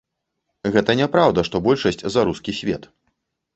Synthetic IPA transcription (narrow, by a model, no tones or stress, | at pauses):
ɣɛt̪ɐnʲɛpɾawd̪ɐʂt̪ɔbɔlʲʂɐsʲt͡sʲzaɾuskʲisʲvʲɛt̪